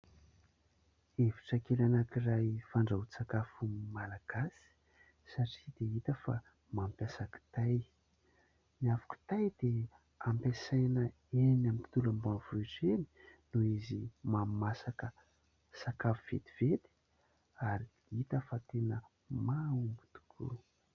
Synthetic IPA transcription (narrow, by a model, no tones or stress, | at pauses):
eviʈ͡ʂakelanakirajfaɳɖ͡ʐat͡sakafumalaɡ̥asi̥ | saʈ͡ʂid̪eit̪əfa | mampjasaki̥t̪aj | niavaku̥t̪ajd̪e | ampesajnə | enamipi̥t̪ulambanvuiʈ͡ʂeni̥nuizimamasakə | sakafuv̥ḛt̪i̥v̥et̪i̥ | aɾi | it̪əfat̪enə | maumbu̥t̪u̥kʰṵ